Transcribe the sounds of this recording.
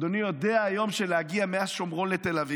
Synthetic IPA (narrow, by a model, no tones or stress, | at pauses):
d̪onijo̞d̪eaːjo̞mʃelehaɡiameazʃomʁolet̪e̞lavi